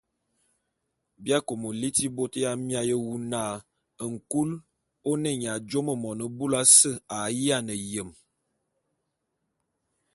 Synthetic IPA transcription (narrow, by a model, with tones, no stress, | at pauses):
bja˦ko˨mo˨li˦ti˦bo˦tə˦ja˦mja˦jə˦wu˦na˦˨ | ə˨ŋ̩˨ku˦l | o˦nə˦ɲ˨a˨d͡ʒo˦mə˨mɔ˨nə˨bu˦la˦sə˦˨a˨˦ji˦a˦nə˨jə˨m